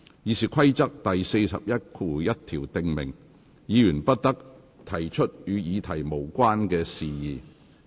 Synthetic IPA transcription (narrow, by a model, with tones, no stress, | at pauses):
jiː˨˧siː˨˩kʰɐ˥jt͡sɐ˥k̚t̪ɐ˨jse˧jsɐ̰˨p̚jɐ˥t̚kʰuː˨˧jɐ˥t̚t̪ʰiː˨˩wt̪ɪ˧ŋmɪ̰˨˩ŋ | jiː˨˧jyː˨˩npɐ˥t̚t̪ɐ˥k̚ | t̪ʰɐ˨˩jt͡ʃʰɵ˥t̚jyː˨˧jiː˨˧t̪ʰɐ˨˩jmo˨˩wkʷwaː˥nkɛː˧siː˨jiː˨˩